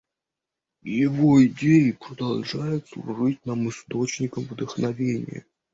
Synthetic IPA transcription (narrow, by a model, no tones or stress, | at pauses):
jɪvoɪdʲejɪpɾəd̪ɐlˠʐajʊt̪ʊ̰rɨt̚ʲnamɨst̪o̞t͡ɕnʲɪkəmvd̪əxnɐvʲenʲɪ̰jə̰